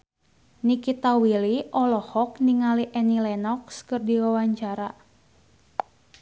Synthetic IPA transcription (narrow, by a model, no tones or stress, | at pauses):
nikit̪awiliʔɔlɔhɔk̚niŋaliʔɛnilɛnɔkskɨrdiwawaɲt͡ʃaɾa